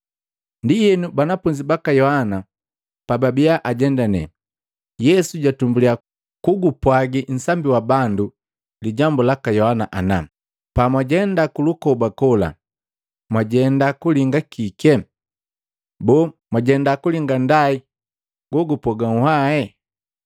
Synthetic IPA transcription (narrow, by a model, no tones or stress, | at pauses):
ndijɛnubanapuɲd͡ʒibakajɔhana | pababiaʔaɟɛndanɛ̰ | jɛsuɟatumbulia | kuɡupwaɡin̩sambiwabandu | liɟambulakajɔhanaʔana̰ | pamwaɟɛndakulukɔbakɔla̰ | mwaɟɛndakuliŋɡakikɛ | bɔmwaɟɛndakuliŋɡandai | ɡ̥wɔɡupɔɡaŋuhaɛ